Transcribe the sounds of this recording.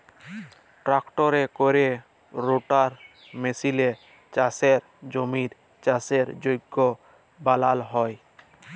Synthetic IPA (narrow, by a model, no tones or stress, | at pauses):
ʈɾakʈɔɾekoɾe | ɾoʈaɾ | mesile | t͡ʃaseɾ | d͡ʒomiɾ | t͡ʃaseɾd͡ʒojɡːo | balalɦɔj